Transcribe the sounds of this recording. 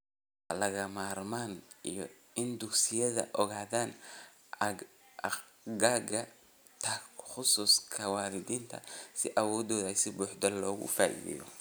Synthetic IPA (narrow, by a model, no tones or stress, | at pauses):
lɐɣɐmaːrmaːnijɔ | ɪnd̪ʊksɪjɐðɐ̰ʔɔɣaːðaːn | ɡaːɡɐ | t̪ʰɐχʊsuːskʰɐwaːɾɪd̪iːnt̪ʰɐ̰sɪʔɐwɔːd̪ɔːðɐsɪbuːħd̪ɐllɔːɣʊ̰fa̰ːʔḭðɪ̰jɔ̰